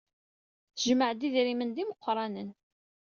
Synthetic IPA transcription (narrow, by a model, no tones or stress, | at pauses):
θʒməʕd̪iðɾimənd̪iməqːɾˤɑnən